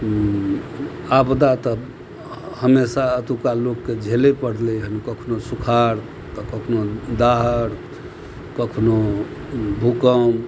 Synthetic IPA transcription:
abd̪at̪ə | həmesaət̪ukalokːed͡ʒʱelepəɽlɛɦənkəkʰnosukʰaɾ | t̪əkəkʰnod̪aɦəɾ | kəkʰno | bʱukəm

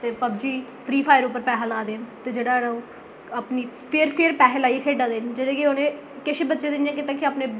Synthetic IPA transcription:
t̪eːpəb̚d͡ʒiːpʰɾiːpʰaːjəɾʊpːəɾpɛːɦəlaːd̪eːnt̪eːd͡ʒeːɽaːɾaũː | əpniːpʰeɾpʰɪɾpɛːɦəlaːiːkʰeːɖaːd̪eːnd͡ʒɪɽẽːkeoːnẽː | kɪt͡ʃʰeːbətːʃeːd̪ɪnjãːkɪt̪ãːkiaːpneː

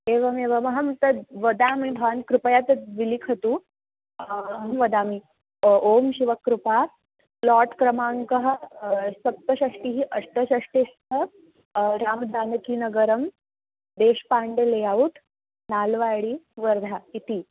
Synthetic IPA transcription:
eʋɐmeʋəmɐɦɐmt̪əʋəd̪amibʱankɾupəjat̪əʋilikʰət̪u | ɦmʋɐd̪ami | omɕiʋəkːɾupa | plɔʈkɾəmaŋkəɦ | sɐk̚t̪əɕəʂʈiɦiʔəst̪əɕəʂʈest̪ə | ɾaːmd̪ʱankinəɡəɾəm | d̪eɕpaɳɖelejaʋut̪ | nalʋaɭiʋəɾd̪ʱait̪i

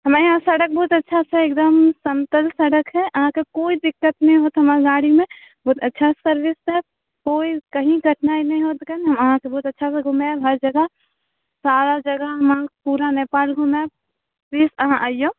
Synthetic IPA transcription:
ɦɐmajɦãsɐɽək̚bɔːʊt̪ətːʃʰasʰɛeːk̚d̪əmsəmt̪əlsɐɽəkɦɛʔɐɦãkekoːid̪ɪkːət̪nɐɦĩɦoːt̪ɦɐmaɾɡaːɽimẽ | bɔːt̪ɐtːʃʰasəɾʋɪsɛ | koːikɐɦĩɡʱəʈnaːinɐɦĩɦoːt̪kənɦɐməɦãkebɔːt̪ɐtːʃʰasɛɡʱʊmabɦəɾd͡ʒəɡə | saːɾad͡ʒəɡəɦɦɐmãpuːɾaneːpaːlɡʱʊmab | pliːsəɦãʔajõ

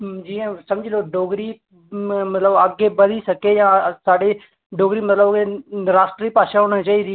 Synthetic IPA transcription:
d͡ʒĩsɐmd͡ʒɪloːɖoːɡɾiː | mt̪ləbəɡebəɾisəkejãːsaːɖe | ɖoːɡɾiːmət̪ləbɾaːsʈɾiːpaːʃaɦoːɽ̃at͡ʃaːiːd̪iː

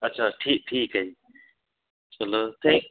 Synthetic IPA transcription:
ɐtːt͡ʃʰaʈʰiːk̚ʈʰiːkə̃j | t͡ʃɐloːt̪ʰẽk̚

